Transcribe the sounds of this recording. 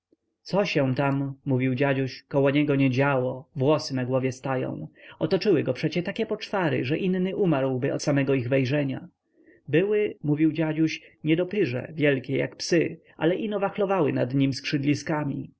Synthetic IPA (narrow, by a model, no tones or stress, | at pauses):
t̪sɔɕɛw̃t̪amːuvʲiwd͡ʑad͡ʑuɕkɔwɔɲɛɡɔɲɛd͡ʑawɔvwɔsɘnaɡwɔvʲjɛst̪ajɔ̰̃w̃ɔt̪ɔt͡ʂɘwɘɡɔpʂɛt͡ɕɛt̪akʲɛpɔt͡ʂfaɾɘ̰ʐɛʔinːɘʔumaɾwbɘɔ̰t̪samɛɡɔiɣvɛjʐɛɲa̰ | bɘwɘmuvʲiwd͡ʑad͡ʑuɕɲɛd̪ɔpɘʐɛ̰vʲjɛlkʲɛja̰kpsɘ | ʔa̰lɛʔinɔvaxlɔvawɘnad̪ɲimskʂɘd̪lʲiskamʲḭ